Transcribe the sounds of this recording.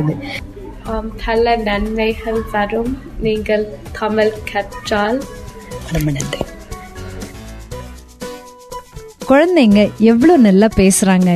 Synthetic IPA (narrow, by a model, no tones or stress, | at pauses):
ðɯ | aːmt̪ʰɐlɐnɐnmɐɪɣɐɭʋɐɾɯm | niːŋɡɐɭt̪ʰɐmɪlkʰɐʈːaːlɐɾɐmɐnɐndɐ | kɔɻɐnd̪ɐŋɡɐʔɛʋːɐɭoːnɐlːaːpeːsɪɾaːŋɡɐ